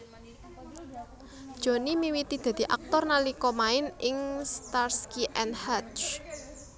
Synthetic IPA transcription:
d̥ʒ̥ɔ̤nimiwit̪id̪̥ä̤d̪̥i̤ʔa̰k̚t̪ɔrnalikɔmaɪnɪŋst̪arskiʔɛnhat͡ʃ

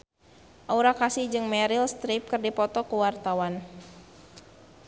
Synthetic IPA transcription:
ʔauɾakasɪhd͡ʒɨŋmɛɾilst̪ɾip̚kɨrdipɔt̪ɔkuwart̪awan

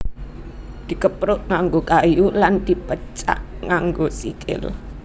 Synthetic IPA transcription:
d̪̥i̤kəpɾʊʔŋaŋɡokajuland̪̥i̤pət͡ʃa̰ʔŋaŋɡosikʰɪ̰l

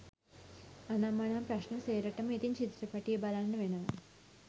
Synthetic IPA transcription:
ɐnamːɐɳaːmpɾɐɕnɐmseːɾɐʈːɐmit̪int͡ʃit̪ɾɐpɐʈːijɐbɐlanːɐʋenɐmɐ

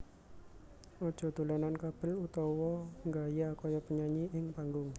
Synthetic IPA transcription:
ɔd̥ʒ̥ɔ̤d̪̥o̤lanankab̥ɪ̤lut̪ɔwɔŋɡajakɔjɔpəɲaɲiʔɪŋpaŋɡʊŋ

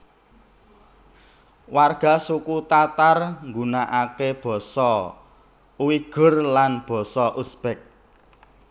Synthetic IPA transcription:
warɡ̥a̤sukut̪at̪arŋɡunaʔakeb̥ɔ̤sɔ | uwiɡ̥ʊ̤rlanb̥ɔ̤sɔʔusb̥ɛk̚

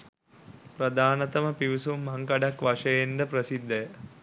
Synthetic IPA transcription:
prɐd̪aːnɐt̪ɐməpiʋisumːɐŋkɐɖakʋaʂɐjenɖ̪əprɐsid̪ːəjə

